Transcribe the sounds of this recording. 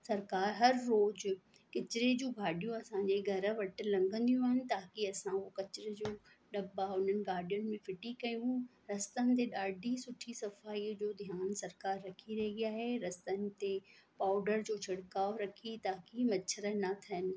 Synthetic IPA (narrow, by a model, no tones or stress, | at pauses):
sɐɾkaːɾɦɐɾːoːd͡ʑ | kɪt͡ɕɪɾed͡ʑũːɡʱaːɖijũɐsãːɲd͡ʑeɡʱɐɾə̆ʋɐʈɪ̆lɐ̃ŋɡə̃nd̪ijũaːɦɪnɪ̆t̪aːkiɐsãokɐt͡ɕɪɾed͡ʑoː | ɗɐbaʊn̤ənɪ̆ɡaːɾɖijʊnmẽfɪʈikɐjũ | ɾɐst̪ənɪ̆t̪̬eɗaːɖʱisʊʈʰisɐfaːiːd͡ʑoːd̪ʱjaːnsɐɾkaːɾːɐkʰiɾɐɦeɡijaːɦeɾɐst̪ənɪ̆t̪epaːʊɖəɾd͡ʑoːt͡ɕʰɐɽkaːoɾɐkʰit̪aːkimɐʃʰəɾɐnat̪ʰɐɦɪnɪ̆